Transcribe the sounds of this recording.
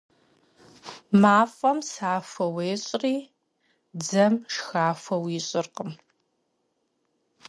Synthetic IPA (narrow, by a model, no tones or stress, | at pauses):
maːfʼɐmsaːfɐweːɕʼriː | d͡zɐmʂxaːfɐwiɕʼɪrqəm